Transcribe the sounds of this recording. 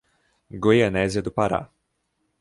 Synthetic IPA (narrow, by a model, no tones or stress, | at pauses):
ɡojɐnɛziɐd̪ʊpaɾa̰